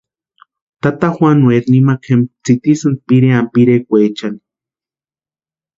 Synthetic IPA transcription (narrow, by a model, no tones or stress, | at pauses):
t̪at̪axwanweɾnimakʰemt͡sit̪isɨnd̪̚piɾeampiɾekʷet͡ʃani̥